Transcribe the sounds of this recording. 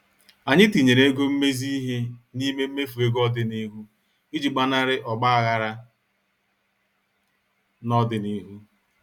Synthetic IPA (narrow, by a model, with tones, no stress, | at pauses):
a˨ɲɪ˦ti˨ɲe˨ɾe˦ɡo˦m̩˦me˦zi˦ɦe˦ni˦me˦m̩˦me˦fu˨e˦ɡɔ˦dɪ˨ni˦ɦu˦ | i˦d͡ʒi˨ɡ͡ba˦na˦ɾɪ˦ʔɔ˨ɡ͡ba˦a˨ɣa˦ɾa˦ | nɔ˦dɪ˨ni˦ɦu˦